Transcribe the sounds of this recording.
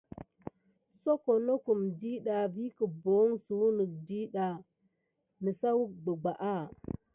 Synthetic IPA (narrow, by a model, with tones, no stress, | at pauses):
so˦ko˨no˦ku˨mdi˦ɗa˨vi˦kə˨bo˨˦ŋsu˨˦nə˨k̚di˦ɗa˨ | nə˨sa˦wu˦ɡ͡bə˨ɡ͡ba˨ʔa˦˨